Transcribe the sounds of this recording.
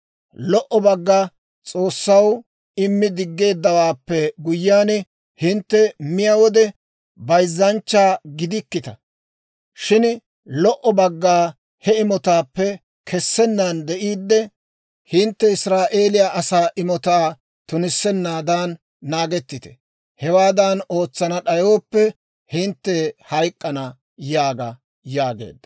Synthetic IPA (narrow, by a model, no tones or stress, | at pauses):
lɔʔɔbɐɡːa | t͡sʼo̞ːsːɐw | ɪmːɪd̪ɪɡːe̞ːd̪ːɐwaːpːɛɡʊjːaːn | hɪnt̪ːɛmɪjɐwɔd̪ɛ | bɐjzːɐnt͡ʃːaːɡɪd̪ɪkːɪt̪ɐ | ʃɪn | lɔʔɔbɐɡːaː | hɛɪmɔt̪aːpːɛ | kʰɛsːɛnːaːnd̪ɛʔiːd̪ːɛ | hɪnt̪ːɛɪsɾaːʔeːlɪjaʔɐsaːʔɪmɔt̪aː | t̪ʊnɪsːɛnːaːd̪aːnː | aːɡɛt̪ːɪt̪ɛ̥ | hɛwaːd̪ano̞ːt͡sːɐnɐɗɐjoːpːɛ | hɪnt̪ːɛhɐjkʼːɐnɐ | jaːɡɐ | jaːɡḛːd̪ːɐ